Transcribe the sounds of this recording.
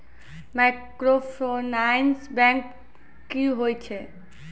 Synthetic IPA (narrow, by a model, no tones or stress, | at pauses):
makɾopʰonajnsbɛ̃ŋkː | iɦojt͡ʃʰe